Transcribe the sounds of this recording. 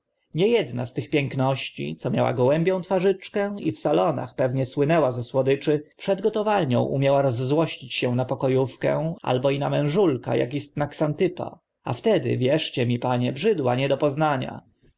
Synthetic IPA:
ɲɛjɛd̪na̰st̪ɘxpʲjɛŋknɔɕt͡ɕḭt̪sɔmʲjawa̰ɡwɛmbʲjɔ̃w̃t̪faʐɘt͡ʂkɛ̃ifsalɔna̰xpɛvɲɛswɘnɛwazɛswɔd̪ɘt͡ʂɘpʂɛd̪ɡɔt̪ɔvalɲɔ̰̃w̃ʔṵmʲjawaɾɔzːwɔɕt͡ɕit͡ɕɕɛ̃napɔkɔjufkɛ̰a̰lbɔinamɛ̃w̃ʐulka̰ja̰kist̪naksant̪ɘpa̰ | a̰ft̪ɛd̪ɪ̰vʲjɛʂt͡ɕɛmʲipaɲɛbʐɘd̪waɲɛd̪ɔpɔznaɲa̰

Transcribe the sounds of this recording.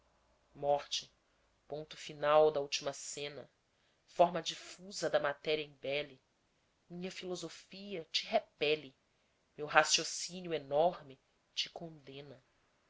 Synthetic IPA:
mɔɾt͡ʃɪ̥ | põnt̪ʊ̥finawd̪ɐuwt͡ʃimɐsẽnɐ | fɔɾmɐd͡ʒifuzɐd̪ɐmat̪ɛɾiɐẽbɛli | mĩɲɐfilozofiɐt͡ʃiɦepɛli | mewɦasiosinijuenɔɾmɪ | t͡ʃikõnd̪ẽnɐ

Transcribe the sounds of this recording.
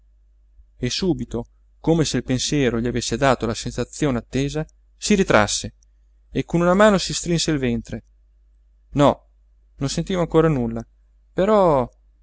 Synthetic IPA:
esːuːbit̪o | komeselpensjɛːɾoʎiavesːed̪aːt̪olasensat̪sːjoːneat̪ːeːza | siɾit̪ɾa̰sːe | ekːonunamaːnosist̪ɾinseilvent̪ɾe | nɔ | nõnsent̪iːmoaŋkoːɾanulːa | peɾɔ

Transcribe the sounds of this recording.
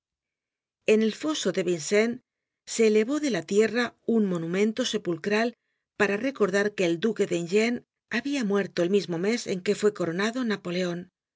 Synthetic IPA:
e̞ne̞lfo̞so̞ðe̞βinsen | se̞ːle̞βo̞ðe̞lat̪je̞raunmo̞numẽ̞nt̪o̞se̞pulkɾal | paɾare̞ko̞ɾðaɾke̞ːld̪uke̞ðenʝen | aβiamwe̞ɾt̪o̞elmizmo̞me̞se̞̰ŋke̞fwe̞ko̞ɾo̞naðo̞napo̞le̞o̞n

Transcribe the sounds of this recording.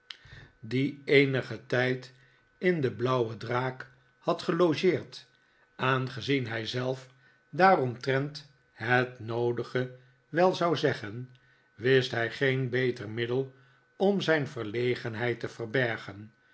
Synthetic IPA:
diejnəχətɛjt | ɪndəblʌwədraːk | hɑtχəloʒɪːɹt | ʔaːnχəzinɦɛjzɛlˠf | daːrɔmtrɛnt | ɦətnowdəχə | ʋɛlˠzɑwzɛχən | ʋɪstɦɛjχejnbejtərmɪdəlˠ | ɔmzɛjnvərlejχənɦɛjtəvərbɛɹχən

